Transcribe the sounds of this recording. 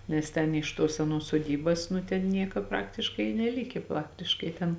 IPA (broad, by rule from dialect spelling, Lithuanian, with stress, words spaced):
nʲɛs ˈtʲɛn ɪʃ ˈtuɔs sʲɛˈnuɔs suɔˈdʲiːbɐs nʊ ˈtʲɛn ˈnʲiɛkɐ ˈprɑːktʲɪʃkɐɪ ɪ nʲɛˈlʲɪkʲeː ˈprɑːktʲɪʃkɐɪ tʲɛn